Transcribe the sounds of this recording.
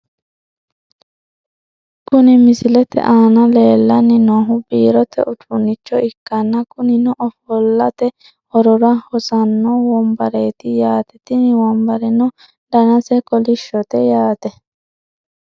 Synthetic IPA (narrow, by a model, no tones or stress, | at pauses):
kʊnɪmɪsɪlɛt̪ɛ̰ʔaːnɐleːlːɐnːɪnɔːɦʊbiːɾɔt̪ɛ̰ʔʊtʼʊnːɪt͡ʃːɔʔɪkːɐnːɐkʊnɪnɔʔɔfɔlːɐt̪ɛ | ɔɾɔɾɐhɔsɐnːɔwɔmbɐɾeːt̪ɪjaːt̪ɛt̪ɪnɪwɔmbɐɾɛnɔ | d̪ɐnɐsɛkɔlɪʃːɔt̪ɛjaːt̪ɛ